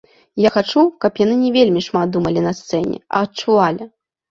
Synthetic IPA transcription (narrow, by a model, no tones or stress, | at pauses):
jaxat͡ʂukɐpjan̪ɨnʲɛvʲelʲmʲiʂmat̪̚d̪umɐlʲinɐst̪sɛnʲɛ̰ɐ̰ːtt͡ʂuvalʲi